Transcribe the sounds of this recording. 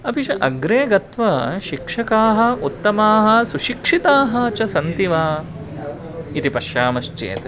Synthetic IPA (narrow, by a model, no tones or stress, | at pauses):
ɐpit͡ʃɐʔɐɡɾeːɡɐt̪ʋɐʃikʂɐkaːɦɐ̆ut̪ːɐmaːɦɐ̆suʃikʂit̪aːɦɐɐt͡ʃɐsɐnt̪iʋaː | it̪ipɐʃjaːmɐʃt͡ʃḛːt̪